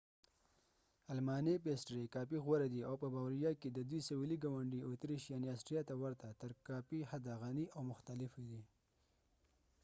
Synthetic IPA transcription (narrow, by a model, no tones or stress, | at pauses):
almɑnepesʈɾekɑpiɣwaɾad̪iawpəbawɾijɑked̪əd̪wijsawiliɡawaɳɖiot̪ɾiʃijaneasʈɾijɑt̪awaɾt̪at̪əɾkapihad̪aɣaniʔawmʊxt̪alɪfid̪i